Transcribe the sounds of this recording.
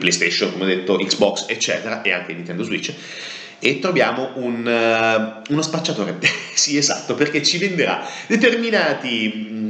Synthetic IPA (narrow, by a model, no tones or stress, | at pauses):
plejst̪eʃːonkomeod̪ːet̪ːoiksbɔkset͡ʃːɛːt̪eɾaʔeaŋk̟einĩnt̪ɛnd̪oszwit͡ʃː | et̪ːɾovjaːmoʔun | unospat͡ʃːat̪oːɾesieza̰t̪ːoperket͡ʃːivend̪eɾa̰d̪et̪erminaːt̪i